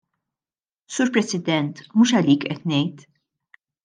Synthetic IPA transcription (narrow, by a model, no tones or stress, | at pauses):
suːɾpɾɛsɪd̪ɛnt̪muːʃɐliːkʔɛt̪nɛjt̪